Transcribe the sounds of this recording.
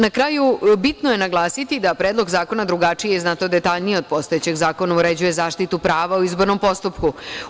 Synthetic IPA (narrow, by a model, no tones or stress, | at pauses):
nakɾaːjubit̪noje̞naɡlˠaːsit̪id̪apɾeːd̪lo̞ɡzaːko̞nad̪ɾuɡat͡ʂijeznat̪od̪et̪aʎnijeo̞d̪̚po̞st̪ojet͡ɕe̞ɡzaːko̞nauɾe̞d͡ʑuje̞zaːʃt̪it̪upɾaːʋauizbo̞ɾno̞mpo̞st̪upku